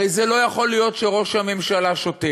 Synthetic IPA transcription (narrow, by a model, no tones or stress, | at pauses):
ejzelo̞jaχo̞lijo̞t̪ʃeʁo̞ʃhame̞mʃalaʃot̪e